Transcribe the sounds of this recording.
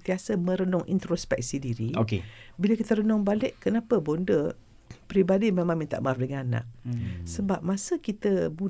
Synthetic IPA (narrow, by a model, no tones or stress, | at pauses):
t̪iasəmə̃ɾənɔŋʔḭnt̪ɾospɛk̚sidiɾiokebiləkit̪əɾənɔŋbalɪʔkənapəbondə | pɾibadimemãŋmĩnt̪a̰ʔmafdəŋanana̰ʔ̚səbap̚masəkit̪əbu